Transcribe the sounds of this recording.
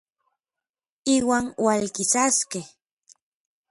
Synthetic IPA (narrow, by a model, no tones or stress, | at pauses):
iwaŋwalkisaskeh